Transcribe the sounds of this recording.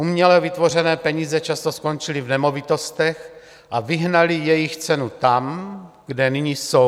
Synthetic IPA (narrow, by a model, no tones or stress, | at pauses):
ʔumɲɛlɛvɪt̪vo̞r̝ɛnɛːpɛɲiːzɛt͡ʃast̪o̞sko̞nt͡ʃɪlivnɛmo̞vit̪o̞st̪ɛx | ʔavɪɦnalijɛjɪxt͡sɛnut̪am | ɡ̥dɛniɲiːso